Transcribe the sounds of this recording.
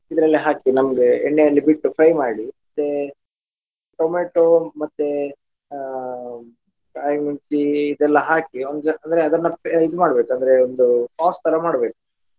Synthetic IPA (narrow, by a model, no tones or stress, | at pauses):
id̪ɾɐlːiɦaːkinɐmɡeḛɳːejɐlːibiʈːupʰɾɐjmaːɽimɐt̪ːe | ʈomeːʈomɐt̪ːe | kaːjmuɲt͡ʃiːd̪ɛlːɐɦaːkiond̪uɐnd̪ɐɾeɐd̪ɐnːɐid̪umaːɽbe̞ːkuɐnd̪ɐɾeond̪upaːst̪ʰːɐɾɐmaːɽbe̞ːku̥